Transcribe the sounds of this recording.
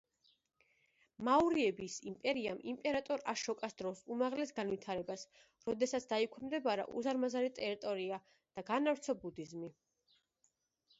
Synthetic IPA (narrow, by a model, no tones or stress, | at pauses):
mauɾiɛbisimpʼɛɾiamimpʼɛɾat̪ʼɔɾaʃɔkʼasd̪ɾɔsumaʁlɛsɡanvit̪ʰaɾɛbas | ɾɔd̪ɛsat̪sʰd̪aikʰɛmd̪ɛbaɾa̰ʔṵzaɾmazaɾit̪ʼɛɾit̪ʼɔɾia | d̪̥aɡanavɾt̪sʰɔbud̪izmi